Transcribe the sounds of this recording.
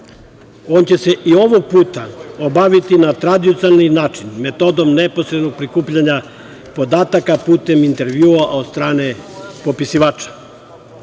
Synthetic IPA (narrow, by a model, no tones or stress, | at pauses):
oːnt͡ɕe̞se̞ʔio̞ʋoɡ̚puːt̪aobaʋit̪inat̪ɾad̪iot̪sialninaːt͡ʃinme̞t̪o̞d̪omneposɾed̪no̞ɡ̚pɾikuːpʎaɲa | po̞d̪aːt̪akapuːt̪e̞mint̪e̞ɾʋjuːaʔod̪st̪ɾaːnepo̞pisiʋaːt͡ʃḁ